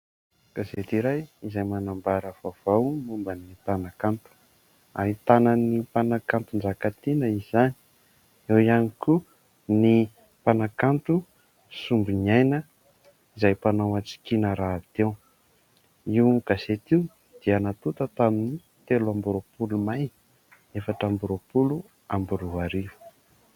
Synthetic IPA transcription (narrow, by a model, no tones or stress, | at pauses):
ɡ̥aset̪iɾajizajmanambaɾəv̥av̥awmumbənipanakant̪u̥ | aɦit̪anənipanakant̪und͡ʒakat̪inəizani̥ | ewianiku | ni | panakant̪u | sumbinajnə | izajpanawat͡si̥kinəɾaːt̪ew | iwɡ̥aset̪iw | d̪̥ianat̪ut̪ət̪amini | t̪eluambuɾopulumaj | efaʈ͡ʂambuɾopulu | ambuɾuɦaɾiu̥